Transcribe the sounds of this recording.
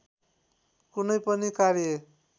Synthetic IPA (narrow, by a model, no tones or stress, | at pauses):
kunʌjpʌnikaɾje